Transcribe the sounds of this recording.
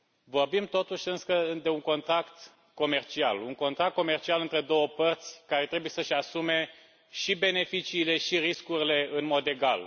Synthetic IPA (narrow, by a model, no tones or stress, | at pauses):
vo̞rbimt̪o̞t̪uʃʲɨnsəɨd̪e̞uŋko̞nt̪ɾakt̪ | ko̞me̞rt͡ʃia̰luŋko̞nt̪ɾak̚t̪̚ko̞me̞rt͡ʃialɨnt̪ɾe̞d̪o̞wəpərt̪sʲkaɾe̞t̪ɾe̞buje̞səʃasume̞ | ʃibe̞ne̞fit͡ʃiːle̞ʃiɾiskuɾile̞ɨnmo̞d̪e̞ɡa̰l